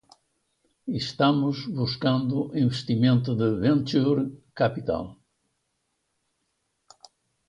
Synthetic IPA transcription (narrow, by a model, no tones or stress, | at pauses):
iʃt̪amʊzβuskãnd̪ʊʔĩveʃt̪imẽnt̪ʊðɪvẽnt̪uɾkapit̪a̰l